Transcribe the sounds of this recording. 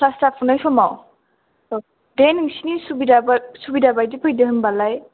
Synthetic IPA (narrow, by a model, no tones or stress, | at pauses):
pʰlastapʰunajsɔmaw | deniŋsinisubidabsubidabajdipʰɯjdɯɦɯnbalaj